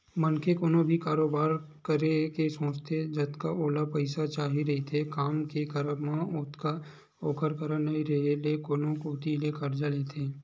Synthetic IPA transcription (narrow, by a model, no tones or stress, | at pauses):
mənkekoːnõbʱikaːɾoːbaːɾ | kəɾekesõːt͡ʃt̪ʰed͡ʒɐt̪kaʔoːlapɐɪsat͡ʃaːɦiɾɐɦit̪ʰekaːmkekəɾəmãʊt̪ka | oːkəɾkəɾənɐiɾeːlelekoːnõkoːt̪ilekɐɾd͡ʒaleːt̪ʰeː